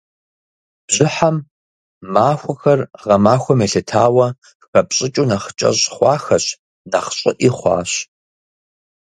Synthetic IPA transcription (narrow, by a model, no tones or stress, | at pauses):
b̥ʑɪħamː | aːxʷɐxɐrʁɐmaːxʷɔmeːɬɨtʰaːwɐ | xɐpɕʼɪt͡ʃʼunɐχt͡ʃʼɐ̰ɕʼχʷɑːxɐɕ | nɐχɕʼɪ̰ʔiχʷɑ̰ːɕ